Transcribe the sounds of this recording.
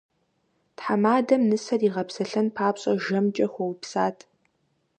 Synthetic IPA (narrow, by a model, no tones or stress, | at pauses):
tħamaːdɐmnɨsɐriːʁɐpsɐɬɐnpʰaːpɕʼɐ̰ʒɐmt͡ʃʼɐxʷɔwpsaːtʰ